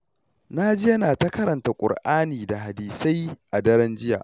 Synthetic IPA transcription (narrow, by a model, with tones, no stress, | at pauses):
na˦d͡ʒɪ˦jɐ˦naː˨ta˦kɐ˦ɾɐ˨nta˨kʷʼʊ̰˨rʔaː˦niː˨da˨ha˨diː˨sa˦jʔa˨dɐ˦ɾɛ˦nd͡ʒɪ˦ja̰ː˨ʔ